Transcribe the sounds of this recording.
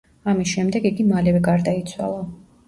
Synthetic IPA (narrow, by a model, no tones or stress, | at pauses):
amisʃɛmd̪ɛɡiɡimalɛvɛɡaɾd̪ait̪sʰwa̰lˠa